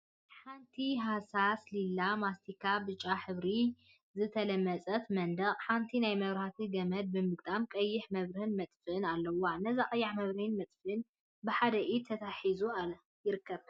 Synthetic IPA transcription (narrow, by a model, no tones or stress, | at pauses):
ħant̪ʰiɦasaslilːamast̪ʰikʰabɨt͡ʃʼːaħɨβɾi | zɨt̪ʰɐlɐmːɐt͡sʼɐt̪mɐnd̪ɐχʼħant̪ʰinajmɐβɾhat̪ʰiɡɐmɐd̪̚bɨmɨɡt̪ʼamkʼɐjːɪħmɐβɾɐhɨnmɐt̪ʼfɨnalːɐwanɐzaχʼɐjːaħmɐβɾhɨnmɐt̪ʼfɨn | bɨħad̪ɐʔit̪ʰɐt̪ʰaħizua | jɪɾɨkːɐβ